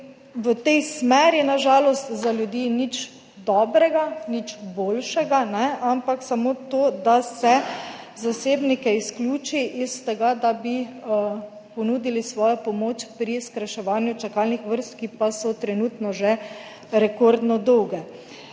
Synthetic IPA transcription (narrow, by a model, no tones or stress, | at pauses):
ʋət̪ɛjsmɛɾjɛnaʒaːlɔst̪zaljud̪iːnit͡ʃ | d̪ɔːbɾɛɡanit͡ʃboːlʃɛɡanɛampaksamot̪oːd̪asɛzaseːbnikɛisklʲuːt͡ʃiʔist̪ɛɡad̪abi | pɔnuːd̪ilisʋɔːjɔpɔmoːt͡ʃpɾiskɾaʃɛʋaːnjut͡ʃakaːlnixʋəɾst̪kipasɔt̪ɾɛnuːt̪nɔʒɛ | ɾɛkoɾd̪nɔd̪ɔwɡɛ